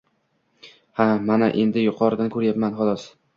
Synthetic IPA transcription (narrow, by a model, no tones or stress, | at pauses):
hamanaʔe̞nd̪ɪjʊqʰɒɾɪd̪ankʰɵɾjapmanχɒlˠɒs